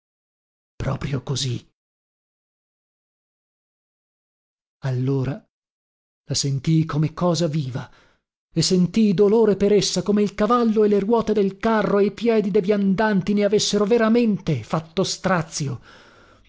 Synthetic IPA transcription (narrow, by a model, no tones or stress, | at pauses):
pɾɔːpɾjokozi | alːoːɾa | lasent̪ijkomekːɔːzaviːva | esːent̪ijd̪oloːɾepeɾesːakomeilkavalːoeleɾwɔːt̪ed̪elkarːoejpjɛːd̪id̪evjand̪ant̪ineavesːeɾoveɾament̪efat̪ːost̪ɾat̪sːjo